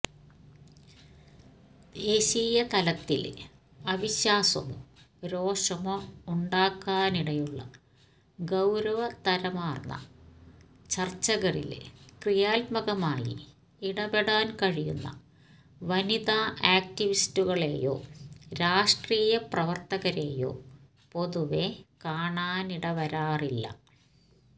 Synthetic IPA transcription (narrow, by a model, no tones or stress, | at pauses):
d̪eːɕiːjɐt̪ɐlɐt̪ːḭl | ɐʋiɕjaːsɐ̰mṵ | ɾo̞ːʂɐmouɳɖaːkːaːniɽɐjuɭːɐ̰ | ɡɐwɾɐʋɐt̪ɐɾɐmaːrnːɐ̰ | t͡ɕɐrt͡ɕːɐɣɐrḭlkrijaːlmɐɣɐmaːjḭ | iɽɐʋeɽaːnkɐɻijunːɐ̰ | ʋɐniðaːʔaːk̚tiʋistuɣɐɭḛːjo̞̰ːɾaːʂʈriːjɐprɐʋɐrt̪ɐɣɐɾe̞ːjo̞̰ː | po̞ðuʋekaːɳaːniɽɐʋɐɾaːrilːɐ̰